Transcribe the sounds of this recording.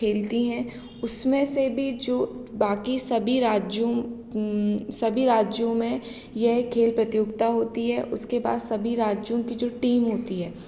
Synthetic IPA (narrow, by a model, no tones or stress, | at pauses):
eːlt̪iɦɛ̃ | ʊsmẽsebʱid͡ʒoːbaːkisɐbʱiɾaːd͡ʒõ | sɐbʱiɾaːd͡ʒjõmẽ | jɛɦkʰːeːlpɾɐt̪ɪjʊɡt̪aɦoːt̪iɦɛʔʊskeba̰ːd̪sɐbʱiɾaːd͡ʒjõkid͡ʒoːʈiːmɦoːt̪iɦɛː